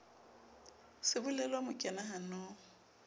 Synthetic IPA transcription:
sɪbʊlɛlamʊkʼɛnaɦanɔː

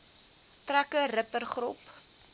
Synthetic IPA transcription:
trækəɾəpərχrup

